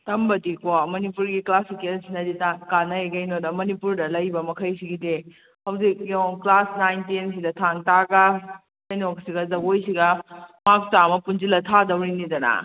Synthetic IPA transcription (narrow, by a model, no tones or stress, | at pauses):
tɐmbɐdikomɐnipuɾɡiklasikensinɐditakanɐeɡɐjnodɐmɐnipuɾdɐlɐjbɐmɐkʰɐjsiɡide | hɐwzikːɔŋklasnajntins̬idɐtʰaŋtaɡɐ | kɐjnoksiɡɐzɐɡojsiɡɐmak̚t͡ʃamɐpunzilɐtʰadɐwɾinidɐnɐ̰